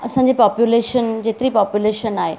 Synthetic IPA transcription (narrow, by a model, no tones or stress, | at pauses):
ɐsãːɲd͡ʑipɔːpjuleːʃənd͡ʑeːt̪ɪɾipɔːpjuleːʃənaːɦḛ